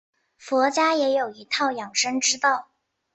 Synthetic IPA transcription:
fwɔ˧˥t͡ɕja˥jɛ˧˥jo˨˩ʊi˧˥t̪ʰɑ˥˩ʊjɑ˨˩ŋʂə˥ŋʈ͡ʂɻ̩˥t̪ɑ˥˩ʊ

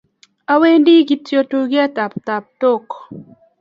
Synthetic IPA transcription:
a˦we˦ndi˦ɡi˨tjo˨to˨ɡɪ˦a˦ta˨pta˨p̚to˦˨kɔ̥˨

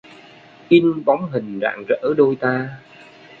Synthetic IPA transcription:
ʔi˧nɓɔ˨˦ŋ͡mɦï˨˩ŋ̟za̰ː˧˨ŋzə̰ː˧˥ɗo˧jt̪aː˧

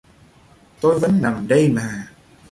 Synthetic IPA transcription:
t̪o˧jvə˨˦nna˨˩mɗə˧jmaː˨˩

